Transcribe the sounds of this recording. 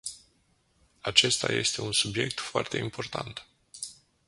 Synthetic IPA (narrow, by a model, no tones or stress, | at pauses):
at͡ʃe̞st̪a̰je̞̰st̪e̞unsubje̞k̚t̪foart̪e̞impo̞rt̪ant̪